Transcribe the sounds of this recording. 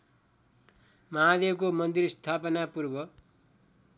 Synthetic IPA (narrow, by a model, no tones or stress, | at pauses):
mʌɦad̪ebkomʌnd̪irst̪ʰapʌnapurbʌ